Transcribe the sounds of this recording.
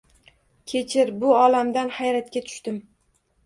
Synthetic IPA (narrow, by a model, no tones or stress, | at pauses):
kʲʰe̞t͡ʃʰɪɾbʊɒlamd̪anhajɾat̪̚kʲat̪ʰʊ̥ʃt̪ɪm